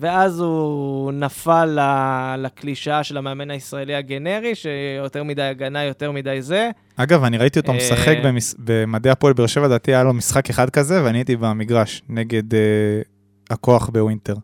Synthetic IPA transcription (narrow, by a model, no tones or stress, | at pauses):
ve̞azunafalːalakliʃaʃe̞lameːmenaisʁaeliaɡe̞ne̞ʁiʃejoteʁmidajaɡanajo̞te̞ʁmidajze̞ | aɡavaniʁaitiotomesaχekbemisbemad̪ejapoelbeʁʃe̞vad̪at̪iajalomisχakeχad̪̚kaze̞veaniit̪ibamiɡʁaʃne̞ɡe̞de | hako̞aχbe̞wint̪e̞ʁ